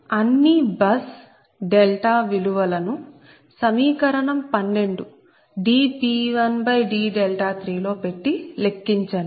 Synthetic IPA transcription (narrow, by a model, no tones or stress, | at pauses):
ɐnːibɐs | ɖelʈaːʋiluʋɐlɐnu | sɐmiːkɐɾɐɳɐmpɐnːe̞ɳɖu | ɖiːpiːʋɐnbɐjɖiːɖelʈaːt̪ʰɾiːlo̞ːpe̞ʈːile̞kːiɲt͡ʃanu